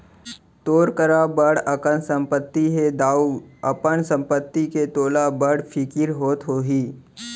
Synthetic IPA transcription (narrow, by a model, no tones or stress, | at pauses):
t̪oːɾkəɾabəɽəkənsə̃mpət̪ːiɦed̪aːuɐpənsə̃mpət̪ːiket̪oːlabəɽpʰɪkɪɾɦoːt̪ɦoːɦiː